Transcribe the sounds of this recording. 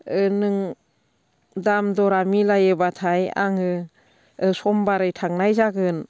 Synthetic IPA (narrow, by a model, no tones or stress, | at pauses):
ɯnɯŋ | damdɔɾamilajɯbatʰaja̰ŋɯ | ɯsɔmbaɾɯjtʰaŋnajzaɡɯn